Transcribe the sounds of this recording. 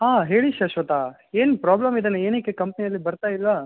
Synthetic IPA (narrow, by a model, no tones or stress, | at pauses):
ɦaːɦeːɭiʃɐʃʋɐt̪a | eːnpɾaːblɐmid̪ɐneeːnekːekɐmpɐnijɐlːibɐɾt̪aːjilʋaː